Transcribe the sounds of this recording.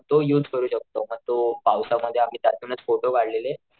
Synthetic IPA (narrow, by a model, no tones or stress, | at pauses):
t̪ojuːd͡zkəɾuːɕək̚t̪oməɡt̪opawsaməd̪ʱːjeam̤iːt̪at̪unət͡sfoʈoʋaɽlele